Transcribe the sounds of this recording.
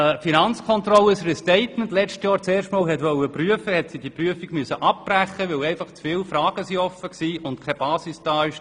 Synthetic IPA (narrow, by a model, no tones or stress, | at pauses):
finɑnt͡skʰɔntrɔlːəsrɛstɛɪtməntlɛt͡ʃtjɑːɾt͡sɛːɾʃtmɑːlɦɛtʋœlːəpryəfəhɛtsidipryəfiɡmyəsəʔɑp̚b̥ræχːəʋɛlɛɪfɑχt͡sfɪːlfɾɑːɡ̥əsiɔfəksiːʊntkʰɛb̥ɑːsɪsd̥ɑːɪʃ